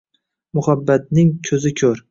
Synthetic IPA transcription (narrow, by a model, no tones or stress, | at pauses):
mʊhabːat̪̚nɪŋkʲʰɵzɪkʲʰɵɾ